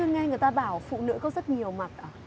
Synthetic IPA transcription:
ɨ˧əŋa˧ŋɨ˨˩əjt̪aː˧ɓaː˧˩wfṵ˧˨nɨ̰˧˥kɔ˨˦zə˦˥t̚ɲi˨˩əwma˨˩t̚ʔaː˧˩

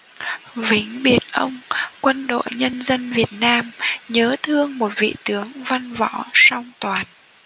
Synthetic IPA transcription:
vï˨˦ŋ̟ɓi˨˩ənʔə˧wŋ͡mkwə˧nɗo̰˧˨jɲə˧nzə˧nvi˨˩ət̚naː˧mɲəː˨˦t̪ʰɨ˧əŋmo˨˩t̚vḭ˧˨t̪ɨ˨˦əŋva˧nvɔ̰˧˥sa˧wŋ͡mt̪waː˨˩n

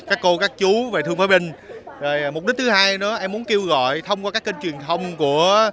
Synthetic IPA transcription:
kaː˦˥kːo˧kaː˦˥k̚t͡ɕu˨˦ve˨˩t̪ʰɨ˧əŋfaː˨˧˦jɓï˧ŋ̟ve˨˩mo˨˩ɗt̚t̪ʰɨ˨˦haː˧jnɔ˨˦ʔɛ˧mːu˨˦ənke˧wɣɔ̰˧˨jt̪ʰə˧wŋ͡mkwaː˧kaː˦˥kːe˧nt͡ɕwi˨˩ənt̪ʰə˧wŋ͡mku˧˩ə

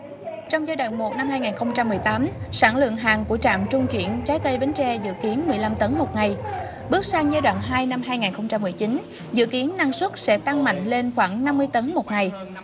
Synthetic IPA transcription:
t͡ɕɔ˧wŋ͡mzaː˧jɗa̰˧˨nmo˨˩t̚na˧mɦaː˧jŋaː˨˩nxə˧wŋ͡mt͡ɕa˧mːɨ˨˩əjt̪aː˨˦msaː˧˩nlɨ̰˧˨əŋɦaː˨˩ŋku˧˩ət͡ɕa̰ː˧˨mt͡ɕʊ˧ŋ͡mt͡ɕwḭ˧˩ənt͡ɕaː˨˦jt̪ə˧jvə˨˦nt͡ɕɛ˧zɨ̰˧˨ki˨˦ənmɨ˨˩əjla˧mt̪ə˨˦nmo˨˩t̚ŋa˨˩j | ɓɨ˦˥k̚saː˧ŋzaː˧jɗwa̰ː˧˨nɦaː˧jna˧mɦaː˧jŋaː˨˩nxə˧wŋ͡mt͡ɕa˧mːɨ˨˩əjt͡ɕi˨˦n | zɨ̰˧˨ki˨˦ənːa˧ŋswə˦˥t̚sɛ̰˧˥t̪a˧ŋma̰˧˨jŋ̟le˧nxwaː˧˩ŋna˧mːɨ˧əjt̪ə˨˦nmo˨˩t̚ŋa˨˩j

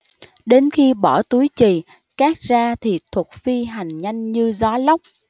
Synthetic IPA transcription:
ɗe˨˦nxi˧ɓɔ˧˩t̪u˨˦jt͡ɕi˨˩ | kaː˦˥k̚zaː˧t̪ʰi˨˩t̪ʰwə˨˩t̚fi˧ɦa˨˩jŋ̟ɲa˧jŋ̟ɲɨ˧zɔ˨˦lə˦˥wk͡p̚

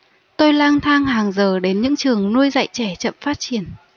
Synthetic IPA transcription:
t̪o˧jlaː˧ŋt̪ʰaː˧ŋɦaː˨˩ŋzəː˨˩ɗe˨˦nɲɨ̰˧˥ŋt͡ɕɨ˨˩əŋnu˧əjzə̰ː˧˨jt͡ɕɛ˧˩t͡ɕə̰˧˨mfaː˦˥t̚t͡ɕi˧˩ən

